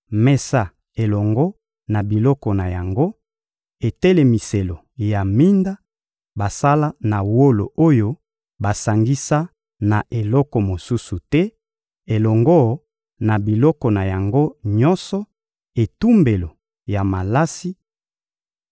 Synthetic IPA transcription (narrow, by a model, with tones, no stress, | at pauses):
mɛ˨sa˦˨ | e˨lɔ˨ŋɡɔ˦ | na˨bi˨lɔ˦kɔ˨na˨ja˨ŋɡo˦ | e˨te˦le˨mi˨se˨lo˨ | ja˨mi˦nda˦ | ba˨sa˦la˦na˨wo˦lo̰˨ʔo˦jo˦ | ba˨sa˨ŋɡi˦sa˦ | na˨ʔe˨lɔ˦kɔ˨mo˨su˦su˨tɛ˦ | e˨lɔ˨ŋɡɔ˦ | na˨bi˨lɔ˦kɔ˨na˨ja˨ŋɡo˦ɲɔ˦nsɔ˦ | e˨tu˦mbe˨lo˨ | ja˨ma˨la˦si˦